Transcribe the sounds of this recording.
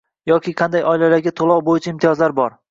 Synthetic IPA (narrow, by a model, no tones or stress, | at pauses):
jɒkʲʰɪqʰɑnd̪ajʔɒɪlalaɾɡʲat̪ʰolˠɒwbojɪt͡ʃʰaɪmt̪ʰijɒzlaɾbɒɾ